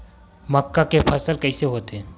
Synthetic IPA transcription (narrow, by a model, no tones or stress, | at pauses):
məkːakepʰəsəlkɐːɪseɦoːt̪eɦɛ̃